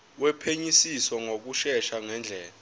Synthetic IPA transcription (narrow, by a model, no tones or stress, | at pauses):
wɛpʰeɲisiswɔŋok̬uʃɛʃaŋɛnd͡ɮʱɛːla